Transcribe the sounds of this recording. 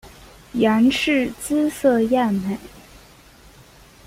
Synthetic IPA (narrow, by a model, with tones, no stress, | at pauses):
ja˧˥nʂɻ̩˥˩t͡sɹ̩˥sɤ˥˧ja˥˩nme˨˩˦ɪ